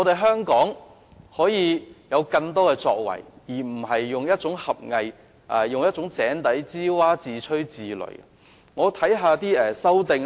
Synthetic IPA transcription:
ɔː˨˧t̪e˨jɦœː˥ŋkɔː˨˥ŋ | hɔː˨˥jiː˨˧jɐ˨˧wkɐ˧ŋt̪ɔː˥kɛː˧t͡sɔ̰ː˧k̚wɐ̰˨˩jjiː˨˩m̩˨˩ɦɐ˨jːʊ˨ŋjɐ˥t̚t͡sʊ˨˥ŋhɐ˨p̚ŋɐ˨j | ʔɛ˨jʊ˨ŋjɐ˥t̚t͡sʊ˨˥ŋt͡sɛː˨˥nt̪ɐ˨˥jt͡siː˥waː˥t͡siː˨˩t͡ʃʰɵ˥ɥt͡siː˨lɵ̰˨˩ɥ | ŋɔː˨˧t̪ʰɐ˨˥jɦaː˧t̪iː˥ɛ˨sɐ˥wt̪ɪ˨ŋ

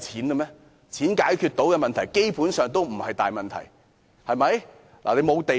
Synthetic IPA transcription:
t͡sʰiː˨˥nkə˧mɛː˥ | t͡sʰiː˨˥nkaː˨˥jkʰy˧t̪o˨˥wkɛ˧mɐ˨nt̪ʰɐ˨˩jke˥jpuː˨˥nsœː˨ŋt̪o˥wm̩˨˩hɐ˨jt̪a̰ː˨jmɐ˨nt̪ʰɐ̰˨˩j | hɐ˨jmɐ˨˦j | la̰˨le˨˧jmo˨˧wt̪e˨

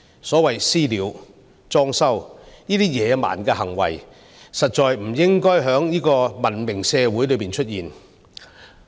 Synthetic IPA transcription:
sɔː˨˥wɐ˨˩jsiː˥liː˨˥w | t͡sɔː˥ŋsɐ˥wniː˥t̪iː˥jɛː˨˧ma̰ː˨˩nkɛː˧hɐ˨˩ŋwɐ̰˨˩j | sɐ˨t̚t͡ʃɔː˨jm̩˨˩jɪ˥ŋkɔː˥jɦœː˨˥ŋjiː˥kɔː˧mɐ˨˩nmɪ˨˩ŋsɛː˧wuː˨˥jlɵ˨˧piː˨nt͡ʃʰɵ˥t̚jiː˨˩n

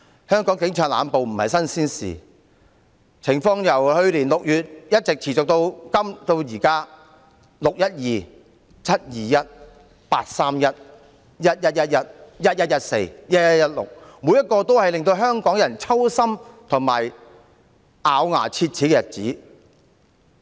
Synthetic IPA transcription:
hœː˥ŋkɔː˨˥ŋkɪ˨˥ŋt͡ʃʰœː˨˧ŋla̰ː˨˧npo˨wm̩˨˩hɐ̰˨jsɐ˥nsiː˥nsḭː˨ | t͡sʰɪ˨˩ŋfɔː˧ŋjɐ˨˩whɵ˧ɥliː˨˩nlʊ˨k̚jyː˨t̚jɐ˥t̚t͡sɪ˨k̚t͡sʰiː˨˩t͡sʊ˨k̚t̪o˧wkɐ˥mt̪o˧wjiː˨˩kaː˥ | lʊ˨k̚jɐ˥t̚jiː˨ | t͡sʰɐ˥t̚jiː˨˩jɐ˥t̚ | pa̰ː˧t̚saː˥mjɐ˥t̚ | jɐ˥t̚jɐ˥t̚jɐ˥t̚jɐ˥t̚jɐ˥t̚jɐ˦˥t̚jɐ˥t̚se˧jjɐ˥t̚jɐ˥jɐ˥t̚lʊ̰˨k̚muː˨˧jɐ˥t̚kːɔː˧t̪o˥whɐ˨jlɪ˨ŋt̪o˧wɦœː˥ŋkɔː˨˥ŋjɐ˨˩nt͡sʰɐ˥wsɐ˥mt̪ʰʊ˨˩ŋma̰ː˨j | ʔaː˨˧wŋa̰ː˨˩t͡sʰiː˧t̚t͡sʰiː˨˥kɛ˧jɐ˨t̚t͡siː˨˥

